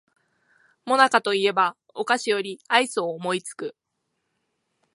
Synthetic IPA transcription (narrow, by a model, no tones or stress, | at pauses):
mo̞nakat̪o̞ie̞ba | o̞kaɕijo̞ɾʲiaisɨoːmo̞it͡sɨ̥kɯ̟